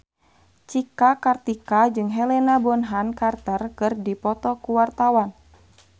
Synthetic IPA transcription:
t͡ʃikakart̪ikad͡ʒɨŋɦɛlɛnabɔnɦankart̪ərkɨrdipɔt̪ɔkuwart̪awan

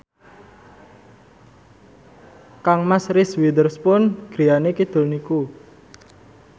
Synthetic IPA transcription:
kaŋmasɾɪswid̪ərspʊnɡ̥ɾijanekid̪̥o̤lniku

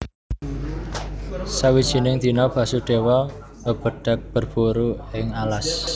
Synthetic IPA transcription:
sawid̥ʒ̥i̤nɪŋd̪̥i̤nɔb̥ä̤suɖ̥e̤wɔ | məb̥ə̤ɖ̥a̤k̚b̥ərb̥uɾuɪŋalas

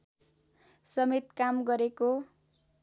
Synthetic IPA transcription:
sʌmet̪kamɡʌɾeko

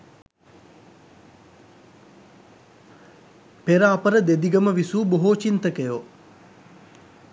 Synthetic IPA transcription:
peɾaːpəɾəd̪ed̪iɡəməʋisuːboɦoːt͡ʃint̪əkejo

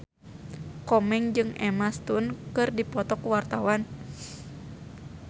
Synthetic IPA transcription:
kɔmɛŋd͡ʒɨŋɛmast̪unkɨrdipɔt̪ɔkuwart̪awan

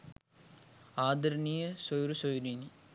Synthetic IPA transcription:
aːd̪ɐɾnijɐsojɾusojɾini

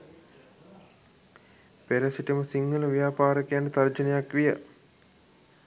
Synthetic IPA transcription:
peɾəsiʈəməsiŋːɡəluʋijaːpaːɾəkejaɳɖət̪ard͡ʒənejakʋijə̰

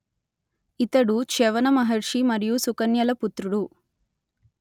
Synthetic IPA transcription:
it̪ɐɽut͡ʃɛʋɐnɐmɐɦɐɾʂimɐɾijusukɐnjɐlɐput̪ɾuɽu

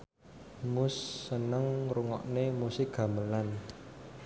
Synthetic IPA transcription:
mʊsːənəŋruŋɔ̰ʔnemusɪk̚ɡ̥a̤məlan

